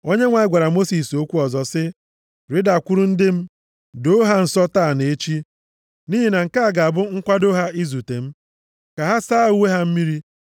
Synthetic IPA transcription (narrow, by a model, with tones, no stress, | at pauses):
o˦ɲe˦ŋʷa˨ɪ˦ɡʷa˨ɾa˨mo˦si˨so˦kʷu˦ɔ˨zɔ˨sɪ˦ | ɾɪ˦da˨kʷʊ˦ɾʊ˦n̩˦dɪ˦m̩˦ | do˦ɦa˦n̩˨sɔ˦taː˦˨ne˨e˦t͡ʃi˦ | niː˦ɦi˨na˨ŋ̩˨ka˦a˨ɡa˨a˨bʊ˦ŋ̩˦kʷa˦do˦ɦa˦i˦zu˨te˨m̩˦ | ka˨ɦa˦saː˦˨u˦we˦ɦa˦m̩˦mi˦ɾi˦